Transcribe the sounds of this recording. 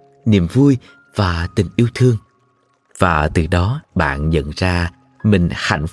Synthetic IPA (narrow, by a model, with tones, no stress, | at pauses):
nḭ˧˨əmvu˧j | v̥aː˨˩t̪ï˨˩ŋ̟ʔi˨˧˦əwt̪ʰɨ˧əŋ | v̥aː˨˩t̪ɨ˨˩ɗɔ˨˦ɓa̰ː˧˨nɲə̰˧˨nzaː˧ | mï˨˩ŋ̟xa̰˧˩jŋ̟f